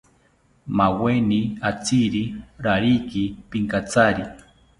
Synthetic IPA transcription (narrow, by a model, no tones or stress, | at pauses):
maweniat͡siɾiɾaɾikipiŋkat͡saɾi